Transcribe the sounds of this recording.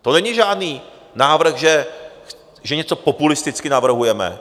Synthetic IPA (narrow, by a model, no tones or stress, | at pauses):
t̪onɛɲɪʒaːdniː | naːvr̩xʒɛ | ʒɛɲɛt͡sopopulɪst̪ɪt͡skɪnavr̩ɦujɛmɛ̰